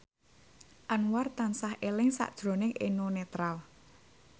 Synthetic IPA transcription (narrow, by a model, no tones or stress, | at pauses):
ʔanwart̪ansahelɪŋsa̰ʔd̥ʒ̥ɾo̤nɪŋenonet̪ɾal